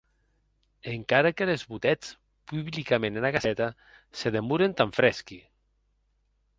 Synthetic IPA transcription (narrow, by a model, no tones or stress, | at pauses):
eŋkaɾakelezβut̪ɛt͡s | puβlikamẽnenakasɛt̪a | seðemuɾent̪aɱfɾɛski